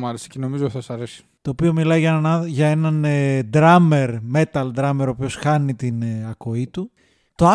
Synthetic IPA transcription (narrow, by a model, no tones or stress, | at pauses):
mɐɾesi̥ceno̞mizoθɐsɐɾesi̥t̪o̞ːpio̞milɐiʝɐnɐʝɐe̞nɐned̪ɾɐme̞ɾme̞t̪ɐld̪ɾɐme̞ɾo̞pio̞sxɐnit̪inɐko̞it̪u | t̪oɐ